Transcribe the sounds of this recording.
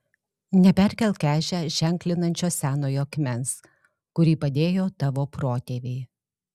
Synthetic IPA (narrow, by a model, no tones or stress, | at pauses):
nʲɛpʲɛɾʲkʲɛlʲˠkʲæːʒʲɛʒ̥ʲɛŋʲklʲɪnɐnʲt͡ʃʲoːsʲæːnoːjoːɐkmʲɛns | kʊɾʲiːpɐd̪ʲeːjoːt̪ɑʋoːpɾoːt̪ʲeːʋʲeɪ